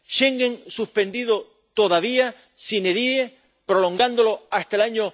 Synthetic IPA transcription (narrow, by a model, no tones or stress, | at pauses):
ʃeŋɡeŋsuhpe̞nd̪iðo | t̪o̞ðaβia | sineðieh | pɾo̞lo̞ŋɡand̪olo̞ast̪aelaɲo